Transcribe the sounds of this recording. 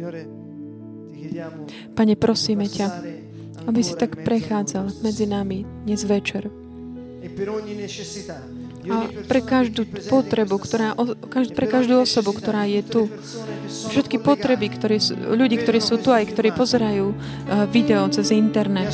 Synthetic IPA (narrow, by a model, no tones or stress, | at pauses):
paɲɛpɾɔsiːmɛca | abisi̥t̪akpɾɛxaːd͡zalmɛd͡zinamid̪ɲɛzʋɛt͡ʃɛɾ | apɾɛkaʒd̪uːpɔt̪ɾɛbukt̪ɔɾaːʔɔkapɾɛkaʒd̪uːɔsɔbukt̪ɔɾaːjɛt̪u | fʃɛt̪kipɔt̪ɾɛbikt̪ɔɾiːsʎuɟiːk̚t̪ɔɾiːsuːt̪uajkt̪ɔɾiːpɔzɛɾajuː | ʋid̪ɛɔt͡sɛzint̪ɛɾnɛt̪